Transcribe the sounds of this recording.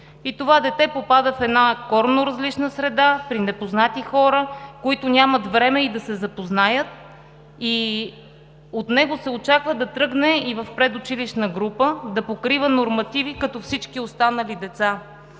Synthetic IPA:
it̪ovad̪ɛt̪ɛpopad̪əfɛd̪nakɔɾnʊɾɐzlit͡ʃnəsɾɛd̪apɾinɛpoznat̪ixɔɾəkoit̪ʊnʲamət̪vɾɛmɛid̪ɐsɛzɐpoznajət̪̚ | i | ot̪nɛɡosɛot͡ʃakvəd̪ɐt̪ɾɤɡnɛivəfpɾɛd̪ʊt͡ʃiliʃnəɡɾupəd̪ɐpokɾivənoɾmɐt̪ivikɐt̪ɔfsit͡ʃkiost̪anəlid̪ɛt̪sa

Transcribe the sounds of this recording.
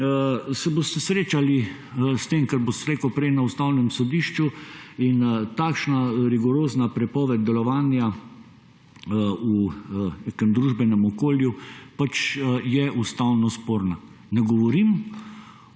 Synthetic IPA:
sɛbost̪ɛsɾeːt͡ʃali | st̪emkɛɾbost̪ɾeːkɔwpɾɛjnaust̪aːwnɛmsɔd̪iːʃt͡ʃuint̪aːkʃnaɾiɡɔɾoːznapɾɛpɔːʋɛd̪̚d̪ɛlɔʋaːnja | unekɛmd̪ɾuʒbɛnɛmɔkoːljupat͡ʃjɛust̪awnɔspoːɾna | nɛɡɔʋɔɾim

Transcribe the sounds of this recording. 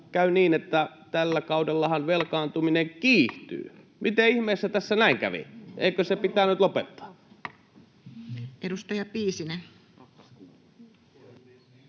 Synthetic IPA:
kæyniːnet̪ːæ | t̪ælːækɑudelːɑhɑnʋelkɑːnt̪umineŋkiːht̪y̰ː | mit̪eihmeːˑsːæt̪æsːænæˑiŋkæ̰ʋḭʔḛˑikøsepit̪æːnyt̪lopet̪ːɑ̥ː | edust̪ɑjɑpiːsinen

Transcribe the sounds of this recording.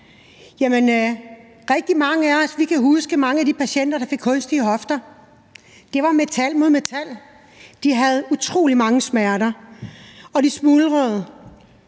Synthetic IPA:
jæmən | ʁɛɡ̥̚d̥imɑ̈ŋəæɒsʋikʰæɦusɡ̥əmɑ̈ŋəæd̥ipʰæɕen̰d̥ɐɾ̥ɑ̈fe̝ɡ̥hɔ̽nsd̥iːɦɒ̽fd̥ɐ | d̥e̝ʋɑ̈me̝t͡sʰæl̰mo̝ðˠme̝t͡sʰæl̰ | d̥iɦæð̞̩ˠut͡sʰʁo̝̰ːlimɑ̈ŋəsmæɐɾɐ | ɒ̽d̥ismuːlʁœð̩ˠ

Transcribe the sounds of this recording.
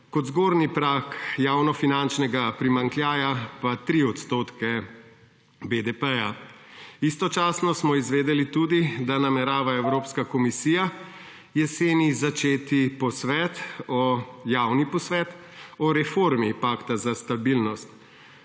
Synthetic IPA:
kɔd̪zɡoːɾnipɾaːkjaːwnɔfinant͡ʃnɛɡapɾimaŋkljaːjapat̪ɾiɔt̪st̪oːt̪kɛ | bed̪ɛpɛja | ist̪ɔt͡ʃaːsnɔsmɔizʋeːd̪ɛlit̪uːd̪id̪anamɛɾaːʋaɛwɾoːpskakɔmisiːja | jɛseːnizat͡ʃeːt̪ipɔsʋɛːt̪ɔjaːwnipɔsʋɛːt̪ | ɔɾɛfoɾmipaːkt̪azast̪abilnɔst̪

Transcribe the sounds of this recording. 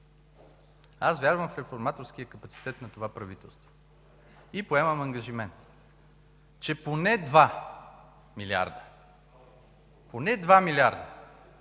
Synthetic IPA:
asvʲjaɾvəmfɾɛfoɾmat̪oɾsk̟ijəkəpɐt̪si̥t̪ɛt̪nɐt̪ovapɾɐvit̪ɛlˠst̪vo̥ | ipoɛmɐmɐŋɡɐʒimɛnt̪ | t͡ʃɛponɛd̪va | milʲia̰ɾd̪ə | ponɛd̪vamiliaɾd̪ə

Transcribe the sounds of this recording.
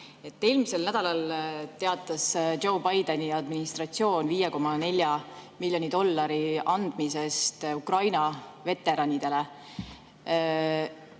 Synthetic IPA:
e̞t̪ːe̞ːlmise̞lnæd̪̥ɑlɑlt̪e̞ɑt̪ːˑɑso̞wbɑjd̪eniɑd̪minist̪rɑt̪sio̞ːnviːjeko̞mːɑne̞lʲjɑmilʲjo̞nid̪o̞lːɑɾiʔɑnd̪̥mise̞st̪ukrɑjnɑve̞t̪ːˑe̞ɾɑnʲid̪̥e̞le̞

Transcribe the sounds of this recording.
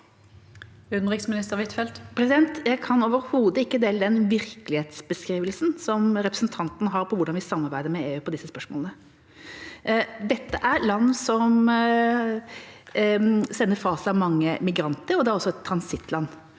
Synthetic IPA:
ʉd̪n̩ʁɪksmɪnɪst̪əʁʋɪt̪fɛlt̪pʰɾɛsɪd̪ɛnt̪jæɪkʰɑnoːʋəɾhuːd̪əɪkːəd̪ɛːld̪ɛnʋɪɾkəlɪheːt̪sbəskɾiːʋəlsnsɔmɾɛpɾəsn̩t̪ʰɑnt̪ənəɦɑɾpʰɔʋʊɖɑnʋɪsɑmːɑɾbæɪd̪əɾmɛeːʉːpʰɔd̪ɪsːəspœʂmɔ̰ːlnə | d̪ɛt̪ːəʔæɾlɑnːsɔm | sɛnːəɾfɑːsɑʋmɑŋːəmɪɡɾɑnt̪əɾɔd̪ɛæɾɔsːɔɛt̪ʰːɾɑnsɪt̪ʰːlɑnː

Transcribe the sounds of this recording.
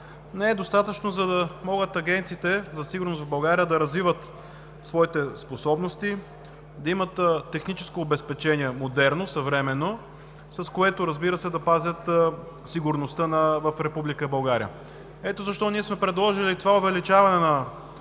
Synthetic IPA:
nɛɛd̪ost̪at̪ət͡ʃnozɐd̪ɐmɔɡət̪ɐɡɛnt̪siːt̪ɛzɐsiɡʊɾnost̪vvbɐlˠɡaɾijəd̪ɐɾɐzvivət̪ | svɔit̪ɛsposɔbnost̪i | d̪ɐimət̪ːɛxnit͡ʃɛ̥skoːbɛspɛt͡ʃɛniɛmod̪ɛɾnosɐvɾɛmɛnːo | sɐskoɛt̪oɾɐzbiɾəsɛd̪ɐpazʲət̪ | siɡʊɾnost̪ənɐvəfɾɛpublikəbɐlˠɡaɾiə | ɛt̪ozɐʃt̪ɔniɛsmɛpɾɛd̪lˠɔʒilit̪ovaovɛlit͡ʃavɐnɛnɐ

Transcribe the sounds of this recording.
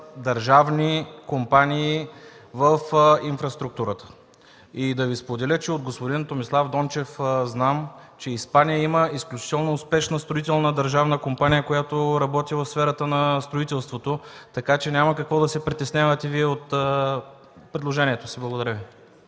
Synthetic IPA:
d̪ɐɾʒavnikompaniː | vəfinfɾɐst̪ɾuk̚t̪uɾət̪ə̥ | id̪ɐvispod̪ɛlʲət͡ʃɛod̪̚ɡospod̪int̪omislˠavd̪ɔnt͡ʃɛfznamt͡ʃɛispanijəiməisklʲut͡ʃi̥t̪ɛlˠnoːspɛʃnəst̪ɾoit̪ɛlˠnəd̪ɐɾʒavnəkompanijəkojat̪oɾɐbɔt̪ivəfsfɛɾət̪ənɐst̪ɾoit̪ɛlˠst̪vot̪ot̪ɐkat͡ʃɛnʲaməkɐkvɔd̪ɐsɛpɾit̪ɛsnʲavət̪ɛviɛot̪ə | pɾɛd̪lˠoʒɛniɛt̪osiblˠɐɡod̪ɐɾʲəvi

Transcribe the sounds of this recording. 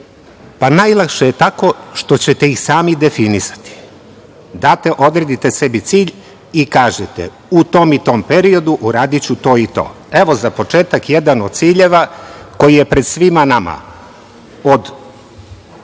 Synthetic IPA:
panajlˠakʃejet̪ako̞ʃt̪o̞t͡ɕet̪eixsaːmid̪e̞finisḁt̪i̥ | d̪aːt̪e̞ʔo̞d̪ɾed̪it̪e̞se̞bit̪siːʎ | ikaːʒet̪ḛ | ut̪o̞mit̪o̞ːmpe̞ɾio̞d̪uʔuɾaːd̪it͡ɕut̪o̞ːit̪o̞̰ː | e̞ʋo̞zapo̞t͡ʃe̞ːt̪akjed̪ano̞d̪̚tsiːʎe̞ʋako̞jije̞pɾed̪sʋimanama̰ | od̪

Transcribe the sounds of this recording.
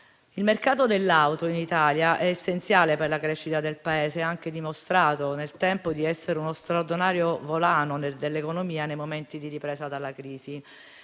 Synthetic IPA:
ilmerkaːt̪od̪elːawt̪oinit̪aːljaʔɛːsːent̪sjaːleperlakɾɛːʃːit̪ad̪elpaeːzeaŋk̟ed̪imost̪ɾaːt̪onelt̪ɛmpod̪iɛsːeɾeunost̪ɾaurd̪inaːɾjovolaːnoned̪elːekonomiːanejmoment̪id̪iripɾɛːsad̪alːakɾiːzi

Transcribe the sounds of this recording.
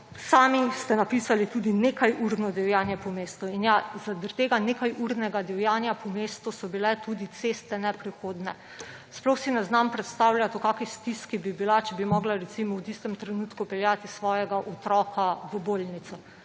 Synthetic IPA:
saːmist̪ɛnapisalit̪ud̪ineːkajʔuɾdnɔd̪ɛwjaːnjɛpɔmeːst̪uinjazad̪əɾt̪eːɡanekajuɾnɛɡad̪ɛwjaːnjapɔmeːst̪usɔbilɛt̪ud̪it̪sest̪ɛnɛpɾixoːd̪nɛ | splɔxsinɛznampɾɛt̪st̪aːwljat̪ɔkaːkist̪iskibibilat͡ʃɛbimɔɡlaɾɛt̪simɔwt̪ist̪ɛmt̪ɾɛnut̪kupɛljat̪isʋɔːjɛɡaʔɔt̪ɾɔːkʰaʋəbolnit̪sɔ

